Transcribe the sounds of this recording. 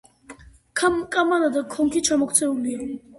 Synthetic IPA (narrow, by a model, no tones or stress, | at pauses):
kʰamkʼamad̪ad̪akʰɔŋkʰit͡ʃʰamɔkʰt͡sʰɛuli